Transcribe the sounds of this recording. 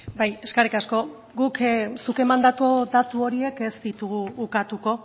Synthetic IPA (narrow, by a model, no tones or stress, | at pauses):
baje̞skaɾikasko̞ | ɡuksuke̞mand̪at̪od̪at̪uo̞ɾie̞ke̞zd̪it̪uɣuːkat̪uko̞